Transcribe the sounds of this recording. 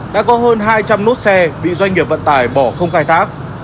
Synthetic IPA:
ɗa̰ː˧˥kɔ˨˦ɦəː˧nɦaː˧jt͡ɕa˧mnu˦˥t̚sɛ˧ɓḭ˧˨zwa˧jŋ̟ŋi˨˩əp̚və̰˧˨nt̪aː˧˩jɓɔ˧˩xə˧wŋ͡mxaː˧jt̪ʰaː˦˥k̚

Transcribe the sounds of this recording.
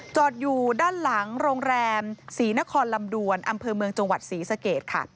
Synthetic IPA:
t͡ɕɔː˨˩t̪̚juː˨˩daː˥˩nla˩˦ŋɾoː˧ŋɾɛː˧msiː˩˦na˦˥kʰɔː˧nla˧mdu˧ənʔa˧mpʰɤː˧mɯ˧əŋt͡ɕa˧ŋwa˨˩t̪̚siː˩˦sa˧keː˨˩t̪̚kʰa̰˥˩

